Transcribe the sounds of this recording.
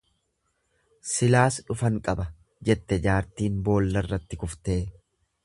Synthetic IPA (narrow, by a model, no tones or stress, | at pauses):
sɪlaːsᶑʊfɐŋkʼɐbɐ | d͡ʒɛt̪ːɛd͡ʒaːɾt̪iːnbo̞ːlːɐrːɐt̪ːɪkʊft̪e̞ː